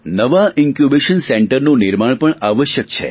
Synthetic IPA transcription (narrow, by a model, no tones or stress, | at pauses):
nəʋaʔɪŋkjubeʃənseɳʈəɾnũnɪɾmaɳpəɳaʋəʃjək̚t͡ʃʰḛ